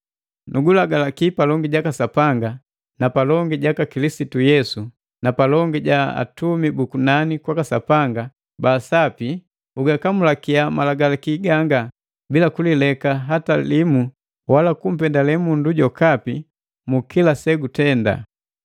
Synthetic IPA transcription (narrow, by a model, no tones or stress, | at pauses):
nuɡulaɡalakipalɔŋɡiɟakasapaŋɡa | napalɔŋɡiɟakakilisitujɛsu | napalɔŋɡiɟaa̰tumibukunanikwakasapaŋɡa | basapi | uɡakamulakiamalaɡalakiɡaŋɡa | bilakulilɛkaɦatalimu | walakum̩pɛndalɛmunduɟɔkapi | mukilasɛɡutɛnda̰